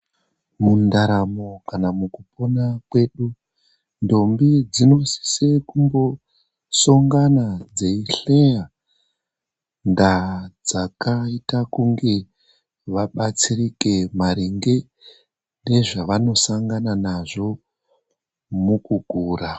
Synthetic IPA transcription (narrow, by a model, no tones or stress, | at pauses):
mundaɾamokanamukuponakwe̞ɗu | ndo̞mbid͡zino̞si̥se̞kumbo̞ | so̞ŋɡanad͡ze̞iɬe̞ja | ndad͡zakaitakuŋɡe̞ | ʋaɓat͡sirike̞maɾiŋɡe̞ | nde̞ʐaʋano̞saŋɡananaʐo̞ | mukuɡ̥ʱuːra